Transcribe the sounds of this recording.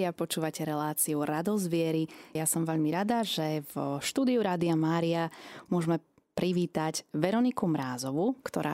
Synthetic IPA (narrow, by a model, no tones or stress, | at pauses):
iapɔt͡ʃuːʋacɛɾɛlaːt͡siuɾad̪ɔzʋɪɛɾijasɔmʋɛʎmiɾad̪aʒɛvʃt̪uːd̪iuɾaːd̪iamaːɾiamʊɔʒmɛ | pɾiʋiːt̪aɟʋɛɾɔnikumɾaːzɔʋukt̪ɔɾa̰ː